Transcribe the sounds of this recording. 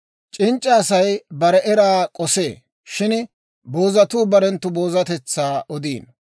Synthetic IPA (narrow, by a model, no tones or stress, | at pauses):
t͡ʃʼɪnt͡ʃʼːɐːsɐjbɐɾɛʔɛɾaːkʼɔse̞ː | ʃɪn | bo̞ːzɐt̪uːbɐɾɛnt̪ːʊbo̞ːzɐt̪ɛt͡sːaːʔɔd̪iːn